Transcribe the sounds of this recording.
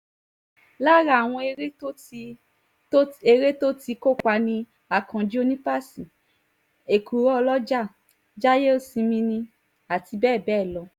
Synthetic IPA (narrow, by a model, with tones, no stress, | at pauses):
la˦˨ɾa˧˨w̃ɔ̃˧e˧ɾe˦o˦˧˦ | e˧ɾe˦to˦ti˧ko˦˨ka˧˦nĩ˧ | a˨kã˨d͡ʒi˦o˧nĩ˦pa˦sĩ˨ | e˨kʰu˨ɾɔ˦ɔ˧lɔ˦d͡ʒa˦˨ | d͡ʒa˦je˦o˦˨sĩ˧mĩ˧nĩ˧ | a˨ti˧bɛː˦˨bɛː˦˨lɔ˧˦